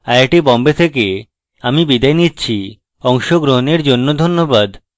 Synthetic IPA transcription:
ajaʈibɔmbet̪ʰeke | amibid̪ajnitːɕʰi | ɔŋʃoɡɾoɦoneɾd͡ʑonːod̪ʱonːobad̪

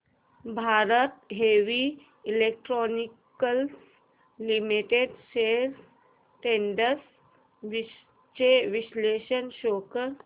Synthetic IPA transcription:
bʱaːɾət̪ɦeːʋi | ilek̚ʈɾɔːnikəls | limiʈeɖsels | ʈẽːɳɖəs | ʋi | t͡ʃeʋiʃleːʃənʃoːkəɾ

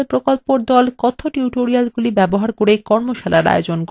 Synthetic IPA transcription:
pɾokolpoɾd̪ɔlkɔt̪ʰoʈuʈoɾialɡulibɛboɦaɾkoɾekɔɾmoʃalaɾa̰jod͡ʑonk

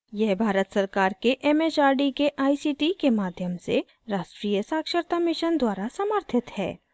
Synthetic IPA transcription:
jɛɦbʱaːɾət̪sɐɾkaːɾkeʔɛːmet͡ʃaːɾɖikeʔaːisiːʈikemaːd̪ʱjəmse | ɾaːʃʈɾiːjəsaːkʃəɾt̪amɪʃənd̪waːɾasəməɾt̪ʰɪt̪hɛ̰ː

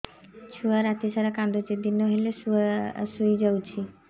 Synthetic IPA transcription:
t͡ʃʰuaɾat̪isaɾakãnd̪ʱot͡ʃid̪inːɔɦelesusujd͡ʒawt͡ʃʰi

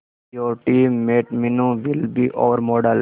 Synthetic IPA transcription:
joːɾʈiːmːeːʈmɪnũʋɪlbiːʔɔːʋəɾmɔːɖəl

